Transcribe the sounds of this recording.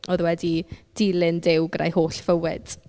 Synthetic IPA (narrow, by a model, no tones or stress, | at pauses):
ɔðwɛdid̥iːlɨndɪwɡra̰jhoːɬfəwɛ̰d̥